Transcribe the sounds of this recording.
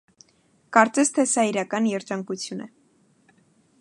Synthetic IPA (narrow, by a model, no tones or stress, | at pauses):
kɑɾt͡sɛst̪ʰɛsɑiɾɑkɑnjɛɾd͡ʒɑŋkut͡sʰjunɛ